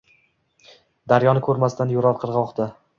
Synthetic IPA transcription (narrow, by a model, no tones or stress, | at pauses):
d̪aɾjɒnɪkʰɵɾmast̪ʰanjoɾɒɾqʰɨɾʁɒχt̪ʰa